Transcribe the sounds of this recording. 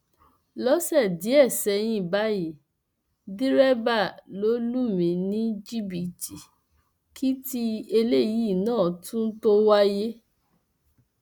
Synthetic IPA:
lɔ˦sɛ˦˨di˨˦ɛ˦˨sɛ˧j̃ĩ˧ba˨˦ji˨˦ | di˦ɾɛ˦ba˦˨lo˨˦lu˦mĩ˨˦nĩ˦d͡ʒi˦bi˨ti˨ | kʰi˦ti˦e˧le˦ji˨˦˨nãː˦˨tũ˦to˦wa˦je˦

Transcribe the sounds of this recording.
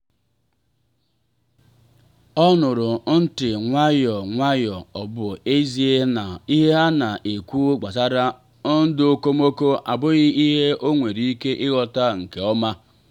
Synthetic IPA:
ɔ˦nʊ˨ɾʊ˨˦n̩˦tɪ˨ŋʷa˦jɔ˨ŋʷa˦jɔ˨ɔ˨bʊ˨e˦zi˦e˦na˨i˦ɦe˦ɦa˦na˨ʔe˨kʷu˦ɡ͡ba˨za˦ɾa˦ | n̩˦dʊ˦o˦ko˦mo˦ko˦ʔa˨bʊ˦ɣɪ˦i˦ɦe˦ʔo˦ŋʷe˨ɾi˦i˦ke˦ʔɪ˦ɣɔ˦ta˦ŋ̩˨ke˨ɔ˦ma˦

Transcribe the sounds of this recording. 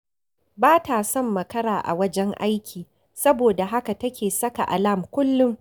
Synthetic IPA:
baː˦taː˨sɔ˦˨mːɐ˨kɐ˦ɾaː˨ʔa̰˨wɐ˦d͡ʒɛ˦ŋʔa˦jkʲʰiː˨ | sɐ˦boː˨da˨ɦa˦ka˨tɐ˦kʲeː˨sɐ˦ka̰˨ʔa̰˨la˦˨mkʷʊ˦lːʊ˦ŋ

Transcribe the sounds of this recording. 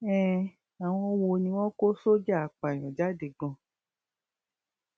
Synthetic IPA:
ɛ̃˦˨ | a˨w̃ɔ̃˦wo˧nĩ˧w̃ɔ̃˦ko˦so˦d͡ʒa˦a˨k͡pa˨j̃ɔ̃˨d͡ʒa˦de˨ɡ͡bɔ̃˨˧

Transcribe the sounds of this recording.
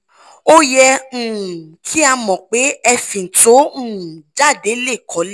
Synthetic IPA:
o˦jɛ˧ũ˨kʰi˦a˧mɔ̃˨k͡pe˨˦ɛ˧fĩ˨n̩˨to˨˦ũ˨d͡ʒa˦˨de˨˦le˦˨kʰɔ˨˦l

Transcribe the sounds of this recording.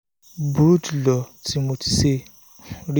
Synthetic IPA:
bu˨u˦tlɔ˨ti˨mo˨ti̥˨se˦ | ɾi˦

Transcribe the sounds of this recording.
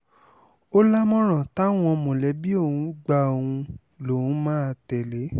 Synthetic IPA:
o˦la˦mɔ̃˦ɾ̃ã˨ta˦w̃ɔ̃˧mõ˨lɛ˨˦bi˦o˦˨hũ˨˦ɡ͡ba˧o˨ũ˧ | lõ˨˦˨mãː˦˧tɛ˨le˨˦

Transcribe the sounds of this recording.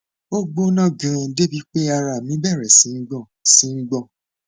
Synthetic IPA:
o˦ɡ͡bo˦nã˦˨ɡã˨˦de˦bi˨˦k͡pe˦a˧ɾa˧˨mĩ˨˦bɛ˦˨ɾɛ˨si˨˦ŋ̩˦ɡ͡bɔ̃˦˨si˨˦ŋ̩˦ɡ͡bɔ̃˦˨

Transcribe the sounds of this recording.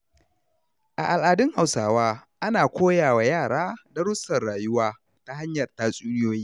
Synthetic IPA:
ʔa̰˨ʔa˨lʔaː˨dɪ˦ŋha˨wsaː˨waː˦ʔa˦naː˨kʷoː˦jaː˨wa˨jaː˦˨ɽaː˦da˦ɾʊ˦sːɐ˨rɽaː˨jʊ˦waː˦ | ta˦ha˦ɲjɐ˨rtaː˦˨sʼuː˦nɪ˦joː˦jiː˦

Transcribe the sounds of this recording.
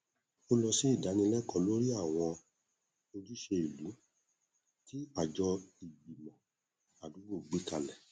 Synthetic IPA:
o˦lɔ˧si˦i˦˨da˨˦nĩ˧lɛ˦kɔ̃˨˧˦lo˦ɾi˦a˦˨w̃ɔ̃˧ | o˧di˦ʃe˧i˨lu˨˦ | ti˦a˨d͡ʒɔ˧i˨ji˨mɔ̃˨ | a˨du˨˦ɡ͡bo˦˨ɡ͡bi˨˦ka˧lɛ˨

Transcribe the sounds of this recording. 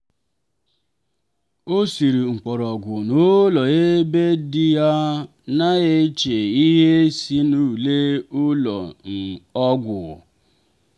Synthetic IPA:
o˦si˨ɾi˨ŋ͡m̩˨k͡pɔ˨ɾɔ˨ɡʷʊ˨no˦lɔ˨e˦be˦dɪ˦ja˦ | na˦e˦t͡ʃe˨i˦ɦe˦si˦nu˦˨le˦ʊ˦lɔ̰˨n̩˨ɔ˦ɡʷʊ˨

